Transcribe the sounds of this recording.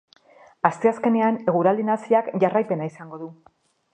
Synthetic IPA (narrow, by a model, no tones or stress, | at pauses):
ast̪e̞aske̞ne̞ane̞ɣ̞uɾald̪inasiakʝarajpe̞naisaŋɡo̞ðu